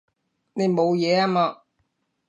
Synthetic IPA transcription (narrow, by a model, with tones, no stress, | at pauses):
ne˨˧jmo˨˧wjɛː˨˧aː˧mɔː˧